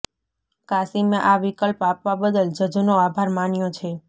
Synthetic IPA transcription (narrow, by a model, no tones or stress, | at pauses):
kasimeʔaʋikəlpapʋabəd̪əld͡ʒəd͡ʒnoabʱaɾmanjot͡ʃʰe